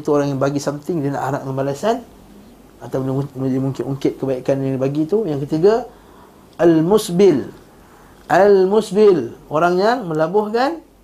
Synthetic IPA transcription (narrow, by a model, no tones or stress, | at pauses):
t̪uoɾaŋjaŋbaɡisamt̪ɪŋdina̰ʔaɾaʔŋanbalasan | at̪apniimuŋkɪnuŋkɪt̪̚kəbaikanibaɡit̪ujaŋkət̪iɡa | almusbɪl | ʔalmusbɪloɾaŋjaŋmə̃labʊhkan